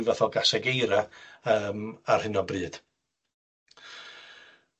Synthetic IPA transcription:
vaθɔɡasɛɡejɾaəːmarhɪnɔbrɨːd̥

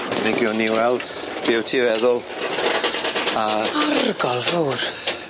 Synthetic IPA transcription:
adnɪɡjɔnːiwɛlˠd̥ | b̥ɪwtʰivɛðʊlˠ | aarɡɔlˠfuːr

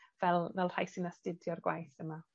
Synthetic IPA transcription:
v̥ɛlˠvɛlˠr̥ajsɨnastɪdjɔrɡwa̰jθəma

